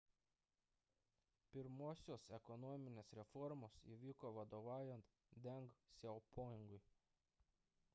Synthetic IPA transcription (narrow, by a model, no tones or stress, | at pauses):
pʲɪɾmoːsʲoːsɛkɔnɔmʲɪnʲeːsɾʲɛfɔɾmoːsḭʋʲiːkoːʋɐd̪oːʋɑːjɛnt̪ | d̪ʲɛŋɡsʲɛpoːjɪŋɡʊɪ